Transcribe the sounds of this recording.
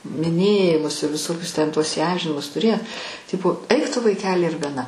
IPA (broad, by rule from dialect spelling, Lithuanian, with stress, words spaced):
mʲɪˈnʲeːjɪmʊs ɪ ʋʲɪˈsoːkʲʊs tʲɛn ˈtuɔs iːˈɐmʲʒʲɪnʲɪmʊs tʊˈrʲeː ˈtʲɪpoː ˈɐɪk ˈtʊ ʋɐɪˈkʲæːlʲɪ ɪr ɡɐˈnɐ